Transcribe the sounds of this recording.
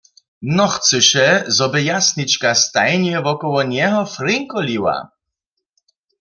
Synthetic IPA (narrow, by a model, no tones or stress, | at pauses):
nɔxtsɨɕɛzɔbɛjasɲit͡ɕkast̪ajɲɛvɔkɔwɔɲɛɦɔfɾɪŋkɔlʲiwa̰